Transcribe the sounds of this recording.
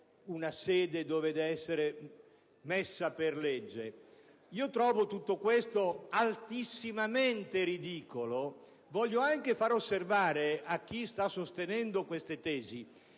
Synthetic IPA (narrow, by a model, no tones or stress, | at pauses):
unasɛːd̪ed̪ɔːved̪ɛɛsːeɾe | mesːaperled͡ʒːḛ | iːot̪ɾɔːvot̪ut̪ːokwest̪oalt̪isːimament̪eɾid̪iːkolo | vɔʎːoaŋk̟efaɾosːervaːɾeak̟ːist̪asːost̪enɛnd̪okwest̪et̪ɛːzi